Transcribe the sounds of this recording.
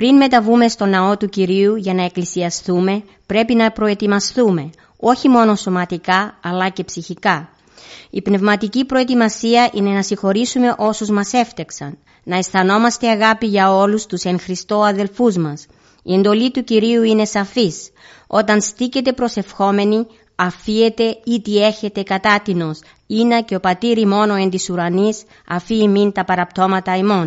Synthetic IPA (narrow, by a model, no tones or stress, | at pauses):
pɾinme̞t̪ɐvume̞st̪o̞nɐo̞t̪uciɾiuʝɐnɐe̞klisiɐst̪ume̞ | pɾe̞pinɐpɾo̞e̞t̪imɐst̪ume̞ | o̞çimo̞no̞so̞mɐt̪ikɐɐlɐce̞psiçikɐ | ipne̞vmɐt̪icipɾo̞et̪imɐsiɐʔine̞nɐsiŋxo̞ɾisume̞ʔo̞suzmɐse̞ft̪eksɐnː | ɐesθɐno̞mɐst̪e̞ɐɣɐpiʝɐo̞lust̪use̞ŋxɾist̪o̞ɐðe̞lfuzmɐs | ḭe̞nd̪o̞lit̪uciɾiuine̞sɐfis | o̞t̪ɐnst̪ice̞t̪̬e̞pɾo̞se̞fxo̞me̞ni | ɐfie̞t̪e̞it̪ie̞çe̞t̪e̞kɐt̪ɐt̪ino̞s | inɐce̞o̞pɐt̪iɾimo̞no̞e̞nt̪isuɾɐnis | ɐ̰fiːmint̪ɐpɐɾɐpt̪o̞mɐt̪ɐimo̞n